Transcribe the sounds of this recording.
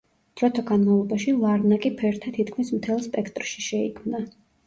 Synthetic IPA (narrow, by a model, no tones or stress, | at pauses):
d̪̥ɾɔt̪ʰɔɡanmavlˠɔbaʃilˠaɾnakʼipʰɛɾt̪ʰat̪ʰit̪kʰmismt̪ʰɛlˠspʼɛkʰt̪ʼɾʃi̥ʃɛḭkʰmna